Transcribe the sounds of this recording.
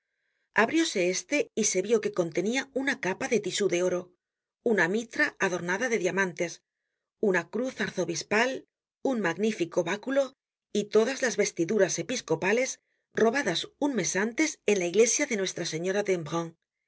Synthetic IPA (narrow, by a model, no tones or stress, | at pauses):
aβɾjo̞se̞est̪e̞ise̞βjo̞ke̞ko̞nt̪e̞niaunakapaðe̞t̪isuðeo̞ɾo̞ | unamit̪ɾaːðo̞ɾnaðaðe̞ðjamãnt̪e̞s | unakɾuθaɾθo̞βispal | uŋmaɣnifiko̞βakulo̞ | it̪o̞ðazlazβe̞st̪iðuɾase̞pisko̞pale̞s | ro̞βaðasuŋme̞sant̪e̞se̞nlaiɣle̞sjaðe̞nwe̞st̪ɾase̞ɲo̞ɾadembʁõŋ